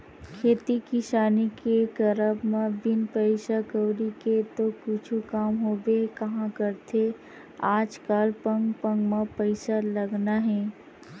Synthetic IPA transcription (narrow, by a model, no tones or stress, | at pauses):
kʰeːt̪ikiʃaːnikekɐɾəbmãbɪnpəɪʃakəwɾiket̪okʊt͡ʃʰukaːmɦoːbekɐɦãkəɾt̪ʰe | aːd͡ʒkaːlpə̃ŋɡpə̃ŋɡmãpəɪsalɐɡnaɦɛː